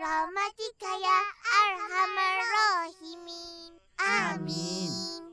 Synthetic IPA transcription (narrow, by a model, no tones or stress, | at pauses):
ɾamat̪ɪkajaːɾhamaɾohɪmɪ | ami